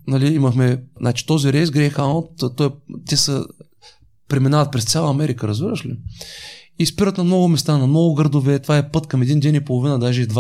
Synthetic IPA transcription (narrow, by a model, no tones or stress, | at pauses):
nɐliiməxmɛnat͡ʃi̥t̪ɔziɾɛjsɡɾɛxaot̪t̪ɔjt̪ʲɛsə | pɾɛminavət̪̚pɾɛst̪sʲalˠəɐmɛɾikəɾɐzviɾəʃli | ispiɾət̪nɐmnɔɡʊmɛst̪anɐmnɔɡʊɡəɾd̪ovɛt̪ovaɛpɤt̪kɐmɛd̪ind̪ɛnipolˠovinəd̪aʒɛid̪va